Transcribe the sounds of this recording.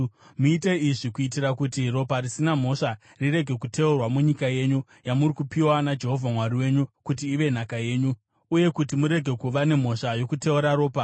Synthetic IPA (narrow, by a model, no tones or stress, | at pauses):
muite̞iʐikuit̬iɾakutiro̞parisinam̤o̞ʂa | rire̞ɡʱe̞kute̞urwamuɲikaje̞ɲu | jamurikupiwanad͡ʒe̞ɦo̞vʱamwaɾiwe̞ːɲukutiːʋe̞n̤akaje̞ːɲu | uje̞kutimuɾe̞ɡʱe̞kuʋane̞m̤o̞ʂajo̞kute̞uɾaɾo̞ːpa